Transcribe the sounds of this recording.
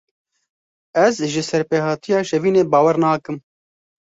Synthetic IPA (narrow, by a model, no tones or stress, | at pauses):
ɛzʒɪsɛɾpeːhɑːt̪ijɑːʃɛviːneːbɑːwɛɾnɑːkɨm